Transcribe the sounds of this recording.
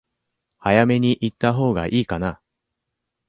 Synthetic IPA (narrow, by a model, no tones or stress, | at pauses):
hajame̞ɲ̟iʔit̪ːaɦo̞ːɡa̰ʔiːkana